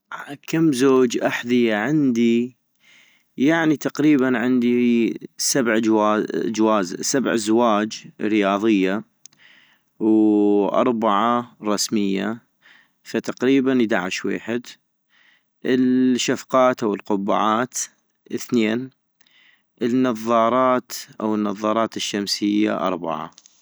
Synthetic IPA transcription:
akamːzoːd͡ʒʔaħðɪjaʕɪnd̪i | jaʕnit̪aqɾiːbanʕɪnd̪isabʕd͡ʒwaːd͡ʒwaːzsabʕzwaːd͡ʒɾɪjɑːðˤɨjːa | wʔɑ̰ɾˤbaʕaɾˤɑsmɪjːa̰ | fat̪aqɾiːbanjd̪aʕɪʃwḛːħɪd̪ | ʔɪlʃːafqɑːt̪ʔawəlqʊbːa̰ʕaːt̪ | ʔɪθneːn | ʔɪnːɑðˤːɑːɾˤɑːt̪ʔa̰wənːɑðˤːɑːɾˤɑːt̪ɪʃːamsɪjːa̰ʔɑ̰ɾˤba̰ʕa̰

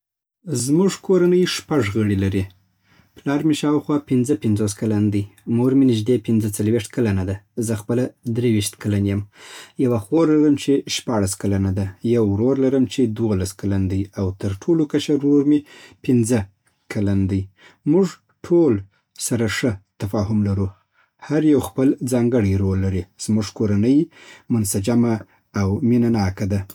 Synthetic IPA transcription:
zmʊʐkʰoɾanəjʂpaʐɣəɽilaɾi | plɑɾmeʃɑwxwɑpɪnzəpɪnzos̬kaland̪əjmoɾminɪʒd̪epɪnzət͡salwiʂt̪kalanad̪azəxpəlad̪ɾewiʃt̪kalanjəmjawaxoɾlaɾəmt͡ʃeʃpɑɽaskalanad̪ajawɾoɾlaɾəmt͡ʃed̪wolaskaland̪ajawt̪əɾʈʰolokaʃaɾɾoɾmepɪnzə | kʰaland̪aj | muʐ | ʈʰol | saɾaʂət̪afɑɦʊmlaɾu | haɾjawxpəld͡zɑŋɡəɽijɾolːaɾiz̥muʐkoɾanəjmʊnsad͡ʒamaː | wminanɑkad̪a

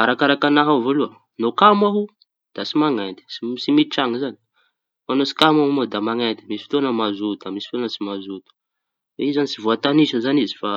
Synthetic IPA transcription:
aɾakaɾakanaɦavoluə | nokamaɦu | d̪̥asimaŋand̪i̥sisimiʈ͡ʂaŋizani̥ | manosi̥kamaɦumod̪amaŋand̪imisi̥fi̥t̪onəmazut̪amisi̥fi̥t̪onət͡simazut̪u̥ | weizanit͡sivoat̪anisəzanizi̥fa

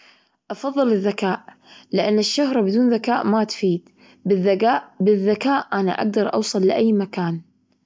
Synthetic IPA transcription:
ʔɑfɑðˤːɨlɪðːakaːʔ | lɪʔanːɪʃːʊhɾˤbɪd̪uːnðakaːʔmat̪fiːd̪ | ɪaʔbɪðːakaːʔʔana̰ʔa̰ɡ̚d̪ɑɾˤʔɑ̰wsˤɨlːɪʔajːmakaːn

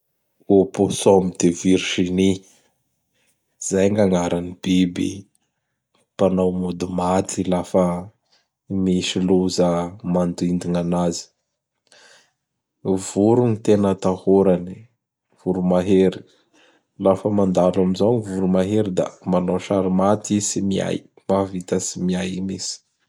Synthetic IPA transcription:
oposomid̪̥eviɾʃini | z̥ajŋɡaŋaɾanib̥ibḭ | panawmud̪umat̪ilafə | miʃiluzəmand̪uind̪inanazi̥ | vuɾunit̪enət̪ahoɾani | v̥uɾumaɦeɾi̥ | lafəmand̪alamizoŋivuɾumaɦeɾid̪a̰manoʃaɾimat̪isimia̰j | mavit̪əsimiajmisi̥

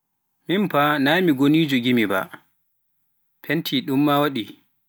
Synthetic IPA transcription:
mimpanaːmiɡoniːd͡ʒuɡimiba̰ | pʰentʰiːɗumːawaɗi

